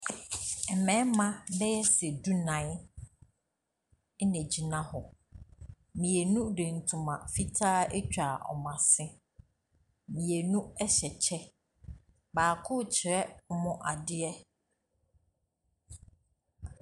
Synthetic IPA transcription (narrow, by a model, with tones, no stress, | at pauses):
ɛ˨mɛ̃˨˦mã˦bɛ˦jɛ˦sɛ˨du˦nã˨˦ɪ˦ | nɛ̃˨d͡ʑi˨nã˦hɔ˨ | mĩ˨e˨nũ˦dẽ˨n̩˨tʰʊ̃˨mã˨fi˦tʰaː˦e˦t͡ɕᶣa˨ɔ̰˨mã˨sɪ̃˦ | mĩ˨e˨nũ˦ɛ˦ɕɛ˨t͡ɕʰɛ˦ | baː˨kʰʊ˦t͡ɕʰɪ˨ɾɛ˦mʊ̃˦ʔa˨dɪ˦ɛ˦